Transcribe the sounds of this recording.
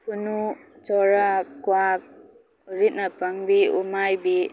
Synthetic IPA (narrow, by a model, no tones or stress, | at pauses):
kunu | t͡ʃɔɾakwak̚ | ɾit̚napaŋbiṵmajbi